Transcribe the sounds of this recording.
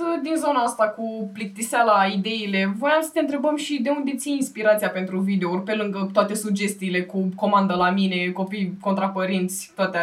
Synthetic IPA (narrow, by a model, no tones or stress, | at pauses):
d̪inzo̞naast̪akuplik̚t̪isalaid̪e̞ile̞vo̞jamsə̥t̪e̞ɨnt̪ɾe̞bəmʃid̪e̞und̪et̪sijinspiɾat̪sijape̞nt̪ɾuvid̪e̞urʲpe̞lɨŋɡət̪oat̪e̞sud͡ʒe̞st̪iːle̞kuko̞mand̪əlamine̞ko̞pijko̞nt̪ɾapəɾint̪sʲt̪oat̪e